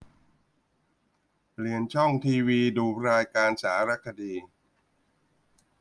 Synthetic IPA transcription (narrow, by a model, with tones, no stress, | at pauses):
ɾi˨˩ənt͡ɕʰɔ˥˩ŋt̪ʰiː˧wiː˧duː˧ɾaː˧jkaː˧nsaː˩˦ɾa˦˥kʰːa˧diː˧